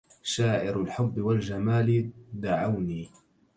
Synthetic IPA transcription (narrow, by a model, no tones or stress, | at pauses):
ʃaːʔɪɾalħʊbːɪwald͡ʒamaːlɪd̪aʕawniː